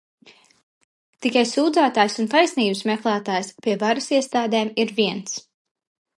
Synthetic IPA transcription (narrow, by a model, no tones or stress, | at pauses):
t̪ikajsuːd̪zaːt̪aːjsunt̪ajsniːbɨsmɛklˠaːt̪aːjspʲiɛvaɾɨsiɛst̪aːd̪ɛːmiɾviɛns